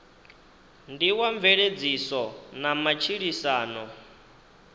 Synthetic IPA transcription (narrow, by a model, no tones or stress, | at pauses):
ndiwaɱvɛɺed͡zisɔnamat͡ʃʰiɺisaːnɔ